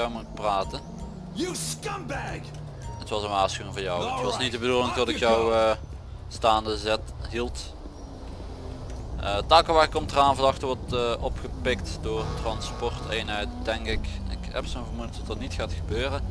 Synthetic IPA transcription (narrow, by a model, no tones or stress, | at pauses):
omutpraːtə | jəskʌ̃mbæk | ətʋɑsənʋaːsxyɪŋvɔːjɔwətʋɑsnit̚dəbədulɪŋtɔtɪkjɔw | staːndəzɛtɦilˠt | ʔətaːkəʋaːrɪkɔmtəraːnvədɑxtəʋɔrtʔɔpχəpɪktdʊːrtrɑnspɔrteːnɦɛt̚dɛŋkɪkɪ̰kɦɛ̰psoːnvərmudədɑtənitxaːtxəbøːrə